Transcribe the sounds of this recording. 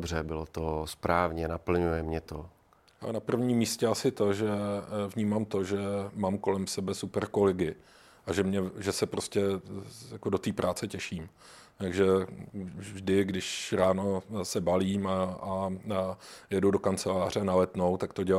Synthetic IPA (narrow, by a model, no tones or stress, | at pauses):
brɛbɪlot̪ospɾaːvɲɛnapl̩ɲujɛmɲɛt̪o | a̰napr̩vɲiːmːiːscɛasɪt̪o̞ʒɛvɲiːmaːmt̪o̞ʒɛmaːmko̞lɛmsɛbɛsupɛɾko̞lɛɡɪ | ʔaʒɛmɲɛʒɛsɛpɾo̞scɛjakodo̞t̪iːpɾʔaːt͡sɛcɛʃiːm | t̪aɡʒɛ | vʒdɪɡdɪʃɾaːno̞sɛbaliːmaa | jɛdudo̞kant͡sɛlaːr̝ɛnalɛt̪no̞wt̪akt̪o̞ɟɛl